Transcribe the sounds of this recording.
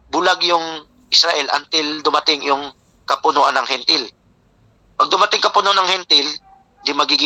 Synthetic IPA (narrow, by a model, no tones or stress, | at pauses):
bʊlaɡjʊŋ | ʔɪsɾaʔɛlʔɐ̰nt̪ɪld̪ʊmɐt̪ɪŋjʊŋ | kɐpʊnoʔanːɐŋhɛnt̪ɪl | pɐɡ̚d̪ʊmɐt̪ɪŋkɐpʊnoʔanɐŋhɛnt̪ɪl | nd̪imɐɡiɡɪ